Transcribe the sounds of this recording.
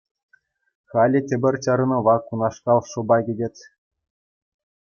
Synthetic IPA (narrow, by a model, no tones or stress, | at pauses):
xɑlʲĭtʲĕbʲɘ̆rʲt͡ɕɑɾɤ̆nɤ̆ʋɑkunɑʂkɑlˠʂŏbɑɡʲidʲĕtʲ